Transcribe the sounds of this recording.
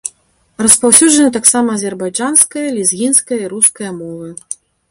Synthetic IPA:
rɐspawsʲuʐɐnɨt̪̬aksamɐːzʲɛrbajd͡ʐanskɐjɐlʲizɣʲinskɐjɐiɾuskɐjɐmɔvɨ

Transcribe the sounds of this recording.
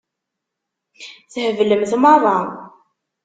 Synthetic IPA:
θəhəvləmθmərˤːɑ

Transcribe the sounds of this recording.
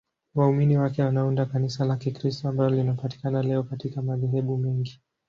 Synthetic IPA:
wauminiwakɛwanaundakanisalakikɾistɔambalɔlinapati̥kanalɛɔkatikamaðɛɦɛɓumɛŋɡi

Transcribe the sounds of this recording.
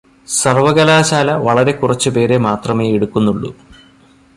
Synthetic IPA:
sɐrʋɐɣɐlaːɕaːlɐʋɐɭɐɾe̞kːurɐt͡ɕːɨpe̞ːɾe̞maːt̪rɐmeːeɽukːunːuɭːṵ

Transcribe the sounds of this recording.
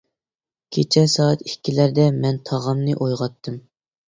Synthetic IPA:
kʲʰet͡ʃʰɛsɑːɛt̪ikʲːilæɾd̪ɛmɛnt̪ʰɑʁɑmnɨʔojʁɑt̪ʰːɨm

